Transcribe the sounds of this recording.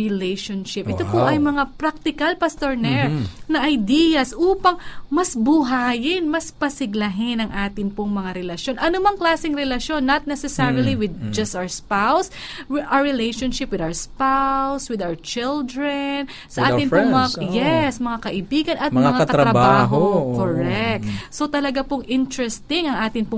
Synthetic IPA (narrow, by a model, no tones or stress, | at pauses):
ɪlejʃonʃɪpʔɪt̪opoʔɐjmɐŋapɾak̚t̪ɪkɐlpɐst̪oɹnɛɹnɐʔɐjd̪ijɐsʔuːpɐŋmɐsbʊɦaːjɪnmɐspɐsɪɡlɐɦɪnɐŋʔaːt̪ɪnpoŋmɐŋaɾɛlɐʃjo̞nʔɐnʊmɐŋklaːsɪŋɾɛlɐʃjo̞nːɐt̪̚nɛsɛsɛɹiliwɪd̪̚d͡ʒɐst̪ʔawspawsʔaɹɪlejʃonʃɪpwɪd̪awəɹspawwswɪd̪awət͡ʃɪld̪ɹɛn | sɐʔaːɪnoŋmmɐajɛsmɐŋakɐʔɪbiːɡɐnʔɐt̪mɐaŋaɐɾɾɐbbaːɦookkoɹɛk̚t̪̚sot̪ɐlɐɡapoŋʔɪnt̪ɹɛst̪ɪŋɐŋʔaːt̪ɪnpo